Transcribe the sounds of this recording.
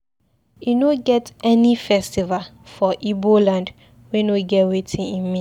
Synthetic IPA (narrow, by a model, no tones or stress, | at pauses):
junoɡɛtɛnifɛstival | fɔʔibolãnd | wɛ̃noɡɛwetʰĩnĩmmĩ